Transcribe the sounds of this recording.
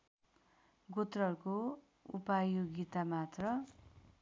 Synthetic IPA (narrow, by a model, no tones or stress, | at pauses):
ɡot̪rʌʌɾuko | upajoɡit̪amat̪rʌ